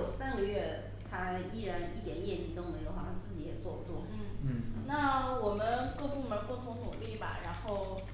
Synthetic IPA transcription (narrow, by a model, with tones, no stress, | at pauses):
ʊsa˥nɡə˧ɥɛ˥˩ | t̪ʰa˥i˥˩ɻa˧˥ni˥˩t̪jɛ˨˩˦njɛ˥˩t͡ɕi˧˥˩kə˧˥nwe˧˥ɪjo˧˥xɑ˨˩ɕʰɑ˥t͡sɹ̩˥˩t͡ɕi˧˥jɛ˨˩t͡swɔ˥˩pu˧˥t̪wɔ˥˩n̩˥˩˥na˥˩wɔ˨˩mə˦nkɤ˥˧pu˥˩mə˧˥kʊ˥˩ŋt̪ʰʊ˧˥ŋt̪ʰʊ˨˩ŋli˥˩ba̰˨˩ɻa˧˥nxo˥˩ʊ